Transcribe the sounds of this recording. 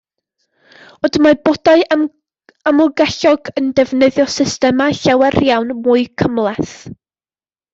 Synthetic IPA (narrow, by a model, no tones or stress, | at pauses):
odmabodaɨ | amɔɡɛɬɔɡəndɛvnəðjɔsɪstɛmaɬawɛrjawnmʊɨkʰəmlˠɛθ